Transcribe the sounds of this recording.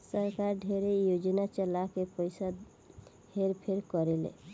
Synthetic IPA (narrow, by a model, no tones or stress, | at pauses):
səɾkaɾɖʱeɾejod͡ʒnat͡ʃəlakepəjsa | heɾpʰeɾkɔɾelḛ